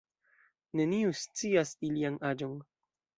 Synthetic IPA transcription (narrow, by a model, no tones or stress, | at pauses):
ne̞niust͡siasilianad͡ʒo̞n